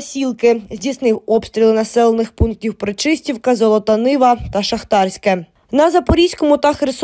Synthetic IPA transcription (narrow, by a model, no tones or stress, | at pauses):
sʲilˠkɪzʲdʲisnɪwɔpst̪ɾʲilˠɪnɐsɛlˠenɪxpunk̚tʲiwpɾɪt͡ʃɪsʲtʲiwkɐzɔlˠɔt̪ɐnɪʋɐt̪ɐʃɐxt̪ɑrsʲkɛ | nɐzɐpɔɾʲisʲkɔmʊt̪ɐxɾɪs